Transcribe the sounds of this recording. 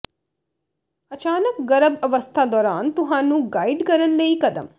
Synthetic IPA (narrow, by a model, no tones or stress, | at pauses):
ɐt͡ʃaːnəkɡɐɾəbɐʋəst̪ʰad̪ɔːɾaːnt̪ʊɦãːnũːɡaːiɖkɐɾənleːikɐd̪ə̰m